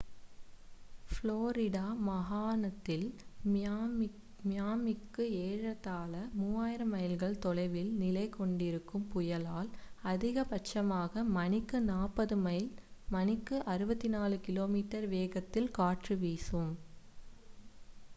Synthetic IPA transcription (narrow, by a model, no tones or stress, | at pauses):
floːɾɪɽaːmɐɣaːnɐt̪ːɪl | mɪjaːmɪkːɯeːɻɐt̪ːaːlɐmuːaːjɪɾɐmɐjɐlɣɐɭt̪ɔlɐɪʋɪlnɪlɐɪkːɔɳɖɪɾɯkːɯmpʊjɐlaːlɐðɪɣɐpɐt͡ʃːɐmaːɣɐmɐnɪkːɯnaːpːɐðɯmɐɪlmɐnɪkːɯʔɐɾɯbɐt̪ːɪnaːlɯkɪloːmiːʈːɐɾʋeːɣɐt̪ːɪlkaːʈrɯʋiːsɯm